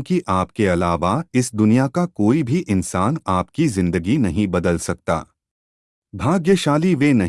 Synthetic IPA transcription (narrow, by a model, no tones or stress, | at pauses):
kiʔaːpkeɐlaːʋaɪsd̪ʊnijakakoːibʱiʔɪnsaːnaːpkizɪ̃nd̪əɡinɐɦĩbɐd̪əlsɐk̚t̪a̰ː | bʱaːɡjəʃaːliʋenɐɦ